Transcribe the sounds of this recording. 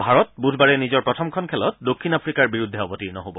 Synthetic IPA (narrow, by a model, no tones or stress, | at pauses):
bʱaɹɔtbudʱbaɹɛnizɔɹpɹɔtʰɔmkʰɔnkʰɛlɔt̚dokʰːinapɹikaɹbiɹud̪ʱːɛɔbɔtiɹnɔɦobɔ